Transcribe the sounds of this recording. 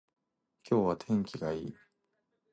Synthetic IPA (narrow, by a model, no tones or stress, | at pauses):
kʲo̞ːβat̪ʰẽ̞ŋkʲiɡaiː